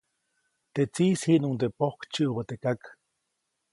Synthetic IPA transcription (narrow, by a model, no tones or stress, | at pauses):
t̪et͡siːshiʔnunt̪epohkt͡ʃiʔubat̪ekak